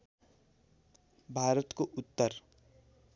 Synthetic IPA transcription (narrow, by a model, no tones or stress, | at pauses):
bʱaɾʌt̪koʔut̪ːʌr